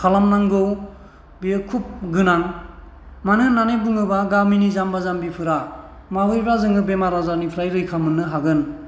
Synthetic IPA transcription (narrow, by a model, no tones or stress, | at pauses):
kʰalamnaŋɡɯw | biɯkʰup̚ɡɯnaŋ | manɯnanebɯŋɯbaɡaminizambazambipʰɯɾa | maɦɯjbɾazɯŋɯbemaɾazanipʰɾajɾɯjkʰamɯnːɯɦaɡɯn